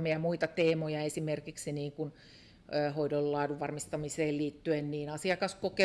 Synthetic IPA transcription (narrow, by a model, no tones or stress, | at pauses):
miɑmuit̪ɑt̪eːmojɑesimerkiksiniːŋkunː | hoidollɑːduʋʋɑrmist̪ɑmiseːlliːt̪ːyenniːnɑsiɑkɑskoke